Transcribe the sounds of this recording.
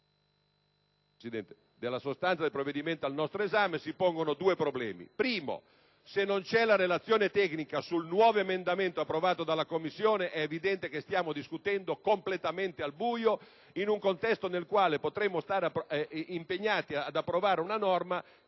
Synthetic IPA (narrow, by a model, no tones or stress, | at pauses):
sid̪ɛnt̪e̥ | d̪elːasost̪ant̪sad̪elpɾovːed̪iment̪oalnɔst̪ɾoezaːmesipoŋɡonod̪uːepɾoblɛ̰ːmḭpɾiːmo̰ | senːont͡ʃɛlaɾelat̪sːjoːnet̪ɛknikasulnwɔːvoemend̪ament̪oapːɾovaːt̪od̪alːakomːisːjoːneʔɛːvid̪ɛnt̪ek̟est̪jaːmod̪iskut̪ɛnd̪okomplet̪ament̪ealbuːjo | inuŋkont̪ɛst̪onelkwaːlepot̪ɾemːost̪aːɾapimpeɲːaːt̪iad̪apːɾovaːɾeunanɔrma